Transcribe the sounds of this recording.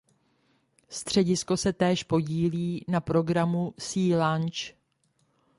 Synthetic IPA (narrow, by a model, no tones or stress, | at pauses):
st̪r̝̥ɛɟɪsko̞sɛt̪ɛːʃpo̞ɟiːliːnapɾo̞ɡɾamusiːlant͡ʃ